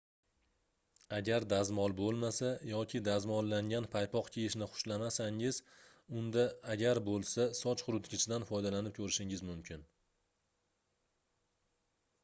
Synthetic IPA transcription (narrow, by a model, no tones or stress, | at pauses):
aɡʲaɾd̪azmɒlˠbolˠmasajɒkʲʰɪd̪azmɒlˠːaŋɡʲanpʰajpʰɒqkʲʰejɪʃnɪχʊ̥ʃlamasaŋɪz̥ | ʊnd̪aːɡʲaɾbolˠsasɒt͡ʃχʊɾʊt̪ɡʲɪt͡ʃʰɪd̪anfɒjd̪alanɪp̚kʲʰɵɾɪʃɪŋɪzmʊmkʲʰɪn